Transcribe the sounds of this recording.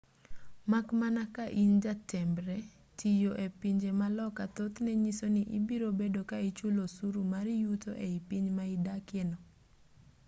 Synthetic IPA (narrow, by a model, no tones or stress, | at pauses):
makmanakaʔind͡ʒatʰɛmbɾɛ | tʰijoʔepiɲd͡ʒemalɔkat̪ot̪nɛɲisonɪʔibiɾobedokait͡ʃulosuɾumaɾɪjut̪oʔeipiɲmaɪdakɪnɔ